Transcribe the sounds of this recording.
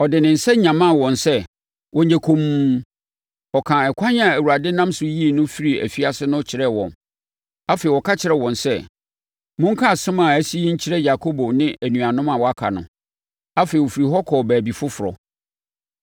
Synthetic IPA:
ɔ˨dɪ˨nɪ̃˨n̩˨sɛ˦ɲã˨mã˦˨wɔ̃˨nsɛ˦ | wʔɔ̃˨ɲ˦æ˨kʰõ˨m˦ | ɔ˨kʰã˨ɛ˨kʷʰã˦ɲ˦a˨æ˨wu˨ɾa˨dɪ˦nã˦msʊ˦ji˦˨nʊ̃˦fi˦ɾi˨æ̰˨fi˦a˦sɪ˦nʊ̃˦t͡ɕʰɪ˨˦ɾɛ˦˨wɔ̰̃˨n | a˦fe˨wɔ˨kʰa˦t͡ɕʰɪ˨ɾɛ˨wɔ̃˨nsɛ˦ | mʊ̃˦ŋ̩˦kʰa˦˨sɪ̃˦mã˨æ˦si˦ji˦ɲ̩˦t͡ɕʰɪ˦ɾɛ˦ja˨kʰo˦bo˨nɪ̃˦ʔæ˨nũ˨a˨nʊ̃˦ma˨wɔ˨˦a˦kʰa̰˨nʊ̃˨ | a˦fe˨o˨fi˨ɾi˨ɦɔ˦kʰɔː˨bæː˨bi˨fʊ˦fʊ˨ɾɔ̰˨

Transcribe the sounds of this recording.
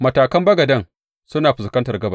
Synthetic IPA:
mɐ˨taː˨kɐ˦mbɐ˦ɡɐ˨dɐ˦ŋ | sʊ˦naː˨ɸʊ˨skɐ˦ntɐ˨rɡɐ˦ba˦˨

